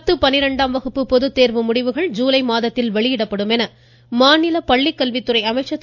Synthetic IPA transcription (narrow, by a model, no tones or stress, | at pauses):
t̪ːɯpɐnːɪɾɐɳɖaːmʋɐɣɯpːɯpɔðɯt̪ːeːɾʋɯmʊɽɪʋɯɣɐɭd͡ʒuːlɐɪmaːðɐt̪ːɪlʋɐɭɪjɪɽɐpːɐɽɯmɛnɐ | maːnɪlɐpɐɭːɪkːɐlʋɪt̪ːɯɾɐɪɐmɐɪʈt͡ʃːɐt̪ː